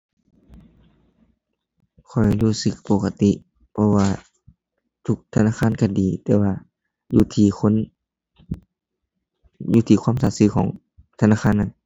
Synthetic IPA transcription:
kʰɔ˨˩jluː˧˩sɯ˧˦k̚po˧ka˧t̪i˧˨ʔ | pʰɔ˧waː˧ | t̪ʰu˧k̚t̪ʰa˧naː˧˨kʰaː˧˥˨nka˧˩diː˨˩t̪ɛː˧waː˧ | juː˧˦t̪ʰiː˧˩kʰo˧˥˨n | juː˧t̪ʰiː˧˩kʰwaː˧˥˨msaː˨˧˦sɯː˧kʰɔː˨˩˦ŋ | t̪ʰa˧naː˧˩xʰaː˧˥˨nːa˧˨n

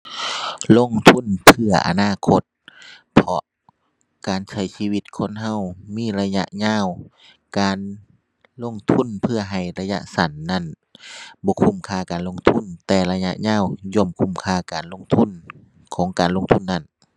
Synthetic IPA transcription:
lo˧˥˨ŋt̪ʰu˧˥˨npʰɯ˧˩ɐʔa̰˨naː˧˥˨kʰo˧˥t̪̚pʰɔ˧ʔ | kaː˨nsa˧˩jsiː˧˨wi˧˥t̪̚kʰo˧˥˨nɦa˧˥˨wmiː˧˥˨la˧ja̰˧ʔɲaː˧˥˨w | kaː˨n | lo˧˥˨ŋt̪ʰu˧˥˨npʰɯ˧ɐɦa˨˩jla˧ja˧˥ʔsa˨˦nːa˧˥˨n | bɔː˧˦kʰu˧˥˨mkʰaː˧˩˨kaː˨˩nlo˧˥˨ŋt̪ʰu˧˥˨nt̪ɛː˧˩la˧ja̰˧ʔɲaː˧˥˨wjɔ˧˨mkʰu˧˥˨mkʰaː˧˩kaː˨˩nlo˧˥˨ŋt̪ʰu˧˥˨n | kʰɔː˨˦ŋkaː˨nlo˧˨ŋt̪ʰu˧˥˨nːa˧˥˨n

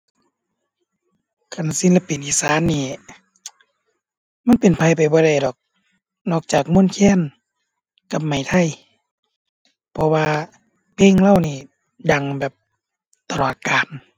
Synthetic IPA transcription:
kʰa˧˩nsi˧˥nla˧pi˨nʔiː˧saː˨˦˥nːiː˧˩ | ma˧˥˨npe˨npʰa˧˨jpa˨˩jbɔː˧ɾa˧˩jdɔː˨˩k̚ | nɔː˧˩k̚t͡ɕaː˨˩k̚mo˧˥˨nkʰɛː˧˥˨n | ka˧p̚ma˨˩jt̪ʰa˧˩˨j | pʰɔ˧waː˧ | pʰeː˧˥˨ŋla˧˥˨wniː˧˩ | da˧ŋbɛː˨˩p̚ | t̪a˧lɔː˨˩t̪̚kaː˨n

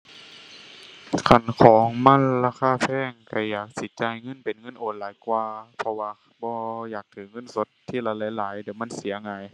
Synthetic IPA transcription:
kʰa˧˩nkʰɔː˨˦ŋma˧˥˨nlaː˧˨kʰaː˧˥˨fʰɛː˧˩˨ŋka˧˩jaː˨˩k̚si˨˧˩t͡ɕaː˧˩jŋɤ˧˥˨npe˨˦nŋɤ˧˥˨nʔoː˨˩nlaː˨˦jkwaː˧pʰɔ˧waː˧ | bɔː˧jaː˨˩k̚t̪ʰɯː˨˦ŋɤ˧˥˨nso˧˦t̪ʰːiː˧˥˨laː˧˦laː˨˦jlaː˨˦jdɯ˩˦wma˧˥˨nsi˨˦ɐŋaː˧˦j

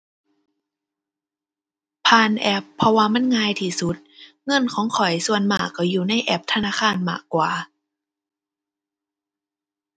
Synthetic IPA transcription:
pʰaː˧˨nʔɛ˧˥pʰːɔ˧waː˧ma˧˥˨nŋaː˧˨jt̪ʰiː˧˩su˧˦t̪̚ | ŋɤ˧˥˨nkʰɔː˨˩˦ŋkʰɔ˨˩jsu˧˩ənmaː˧˩kːa˧˩juː˨˩na˧˥˨jʔɛ˧˦p̚t̪ʰa˧naː˧˥˨kʰaː˧˥˩nma̰ː˧˩kːwaː˨˩

